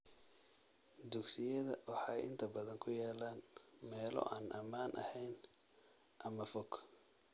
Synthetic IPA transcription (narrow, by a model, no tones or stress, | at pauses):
d̪ʊɡsɪjɐðɐwɑħɑjʔɪ̰nt̪ʰɐbɐðɐŋkʰʊjaːlaːnmɛːlɔ̰ʔaːnʔɐmaːnʔɐ̰hɛjn | ʔɐmɐfɔɡ